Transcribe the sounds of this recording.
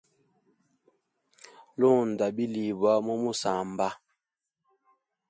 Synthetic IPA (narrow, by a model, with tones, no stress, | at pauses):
lo˦˨n̩˨da˨bi˦li˨bwa˦mɔ˦mu˦sa˨m˨ba˦